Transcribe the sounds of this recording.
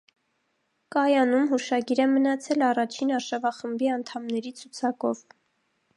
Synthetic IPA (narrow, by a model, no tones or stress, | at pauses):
kɑjɑnumɦuʃɑɡiɾɛmənɑt͡sʰɛlɑrɑt͡ʃʰinɑɾʃɑvɑχəmbiɑn̪t̪ʰɑmnɛɾit͡sʰut͡sʰɑkɔv